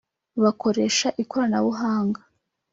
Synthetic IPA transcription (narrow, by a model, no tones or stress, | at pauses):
βako̞ɾe̞ːʃaʔikoɾanaβuɦaːŋɡa